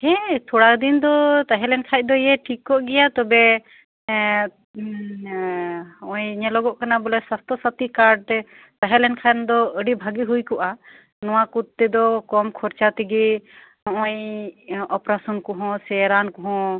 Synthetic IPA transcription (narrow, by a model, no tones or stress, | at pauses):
hɛ̃t̪ʰɔɽakd̪ind̪ɔt̪aɦɛ̃lɛnkʰajc̚d̪ɔijɛʈʰikːɔʔɡɛjat̪ɔbɛ | ɔ̃jɲɛlɔɡɔʔkanabulɛswast̪ʰɔsat̪ikaɾɖ | t̪aɦɛlɛnkʰand̪ɔəɖibʱaɡiɦujkɔʔa | nɔ̃wakut̪̚ːɛd̪ɔkɔmkʰɔɾt͡ʃat̪iɡɛ | ɔ̃j | ɔpɾasɔnkɔɦɔ̃sɛɾankɔɦɔ̃